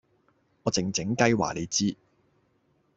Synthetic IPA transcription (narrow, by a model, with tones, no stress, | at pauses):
ŋɔː˨˧t͡sɪ˨˩ŋt͡sɪ˨˥ŋkɐ˥jwa̰ː˨˩le˨˧jt͡siː˥